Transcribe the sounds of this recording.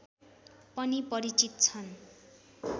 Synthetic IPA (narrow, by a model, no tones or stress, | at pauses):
pʌnipʌɾit͡sit̪̚t͡sʰʌn